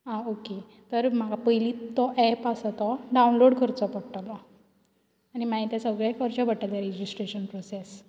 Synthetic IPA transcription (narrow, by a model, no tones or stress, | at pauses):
ɦãoke | t̪əɾm̤aɡapəjlit̪ːɔʔɛpasɔt̪ɔɖaunloɽkʰəɾt͡sɔpəɽʈlɔ | animaɦit̪jasəɡɭakəɾt͡ɕabʱəʈalaɾed͡ʑisʈɾeɕənpɾoses